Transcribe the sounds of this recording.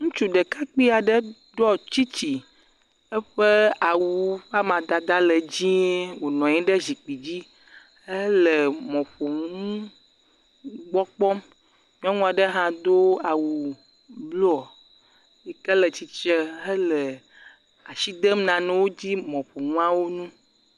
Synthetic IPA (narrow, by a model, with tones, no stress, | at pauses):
ŋũ˦t͡ʃu˦ɖə˨ka˦k͡pi˦a˨ɖə˦ | ɖɔ˦t͡ɕi˦t͡ɕi˨ | ɛ˦ɸə˦a˨wu˨ɸa˦mã˨d̪a˨d̪a˦lə˨d͡ʑĩ˦e˦wo˨nɔ̃˨ɲɛ̃˦ɖə˦zi˨k͡pi˨d͡ʑi˦ | ə˦lə˨mɔ̃˨ɸo˨ŋũũ˦ | ɡ͡bɔ˦k͡pɔ˦m | mĩ˦ɔ˦ŋũ˦a˨ɖə˦ɦã˦d̪o˦a˨wu˨ | blo˦ɔ˨ | jɛ˨kə˦lə˨t͡ɕi˦t͡ʃə˦ə˦lə˨ | a˨ʃi˦d̪ə˦m˦nã˨nɛ̃˨wo˦d͡ʑi˦mɔ̃˨ɸo˨ŋũ˦ã˦wo˦nũ˦